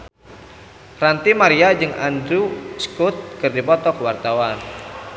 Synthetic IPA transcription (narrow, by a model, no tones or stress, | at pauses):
rant̪imaɾiad͡ʒɨŋʔa̰ndɾuskut̪̚kɨrdipɔt̪ɔkəwart̪awan